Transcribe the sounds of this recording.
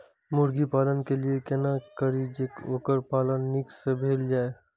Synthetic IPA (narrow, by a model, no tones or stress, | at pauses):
mʊɾɡipaːlənkeliekɛnakəɾid͡ʒeːkoːkəɾpaːlənːiksebʱeːld͡ʒaːe